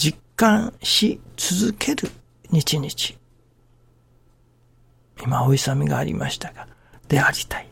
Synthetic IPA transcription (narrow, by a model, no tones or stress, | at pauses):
d͡ʑikːãɰ̃ɕit͡sɨzɨkʰe̞ɾɯ | ɲ̟it͡ɕiɲ̟it͡ɕi̥ | imao̞isamʲiɡa̰ːɾʲḭma̰ɕi̥t̪aɡ̥a | d̪̥e̞aɾʲi̥t̪ḁi